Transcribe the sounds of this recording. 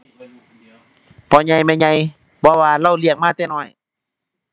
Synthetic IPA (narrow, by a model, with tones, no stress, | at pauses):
pʰɔː˧˦ɲa˧˩jmɛ˧˨ɲa˧˩j | pʰɔː˧waː˧la˧˩˨wli˧˩ək̚maː˧˥˨t̪ɛː˧˨nɔː˧˩j